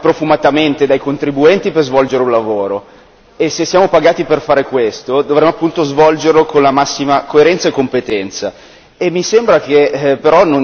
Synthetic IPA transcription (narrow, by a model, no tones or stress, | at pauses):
pɾofumat̪ament̪ed̪ajkont̪ɾibuɛnt̪iperzvɔld͡ʒeɾeũnlavoːɾo | esːesːjaːmopaɡaːt̪iperfaːɾekwest̪od̪ovɾɛmoapːunt̪ozvɔld͡ʒerlokonlamasːimakoeɾɛnt̪saekːompet̪ɛnt̪sa̰ | emːisembɾakepeɾɔnːon